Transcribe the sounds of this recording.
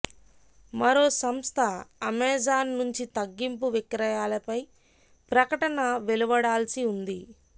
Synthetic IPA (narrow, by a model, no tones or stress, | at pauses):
mɐɾo̞ːsɐmst̪ʰɐɐmɛːd͡ʒaːnːuɲt͡ʃit̪ɐɡːimpuʋikɾɐjaːlɐpɐj | pɾɐkɐʈɐnɐʋeluʋɐɽaːlsiund̪i